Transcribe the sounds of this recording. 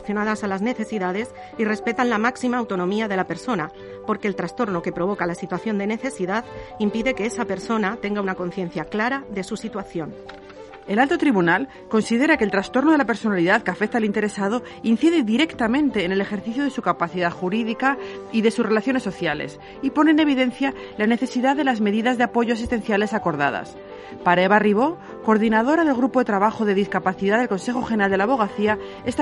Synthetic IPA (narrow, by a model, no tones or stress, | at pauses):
θjo̞naðasalazne̞θe̞siðað̞es | ire̞spe̞t̪anlamaksimaːwt̪o̞nõ̞miaðe̞lape̞ɾso̞na | po̞ɾke̞ːlt̪ɾast̪o̞ɾno̞ke̞pɾo̞β̞o̞kalasit̪waθjo̞nd̪e̞ne̞θe̞siðaðimpiðe̞ke̞esape̞ɾso̞nat̪e̞ŋɡaunako̞nθje̞n̟θjaklaɾaðe̞susit̪waθjo̞n | e̞lalt̪o̞t̪ɾiβunal | ko̞nsiðe̞ɾake̞ːlt̪ɾast̪o̞ɾno̞ðelape̞ɾso̞naliðaðkeafek̚t̪aːlint̪e̞ɾe̞sað̞o̞ | inθiðe̞ðiɾe̞kt̪amẽ̞nt̪e̞ːne̞le̞xe̞ɾθiθjoð̞e̞sukapaθiðaðxuɾiðikaiðe̞susre̞laθjo̞nesːo̞θjale̞̰s | ipo̞ne̞ːne̞β̞iðe̞n̟θja | lane̞θe̞siðaðe̞lazme̞ðiðazðe̞apo̞ʝoasist̪e̞n̟θjale̞sako̞ɾð̞a̰ða̰s | paɾaeβariβ̞o̞ | ko̞ɾðinað̞o̞ɾaðe̞lɣɾupo̞ðe̞t̪ɾaβaxo̞ðe̞ðiskapaθiðaðe̞lko̞nse̞xo̞xenɾald̪elaβo̞ɣ̞aθia | est̪